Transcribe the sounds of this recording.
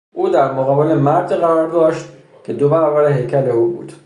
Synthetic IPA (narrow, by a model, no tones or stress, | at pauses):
ʔuːd̪æɾmoɣɒːbelemæɾd̪ɣæɾɒːɾd̪ɒːʃt̪̚ | cʲʰe̞d̪obæɾɒːbæɾeɦe̞jcʰæleuːbṵːd̪̥